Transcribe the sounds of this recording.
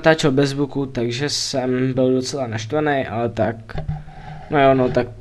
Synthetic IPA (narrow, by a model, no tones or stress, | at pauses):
t̪aːt͡ʃɛlbɛzbukut̪aɡʒɛsɛmbɪldo̞t͡sɛlanaʃt̪vanejʔa̰lɛt̪ak̚ | nojonot̪ak̚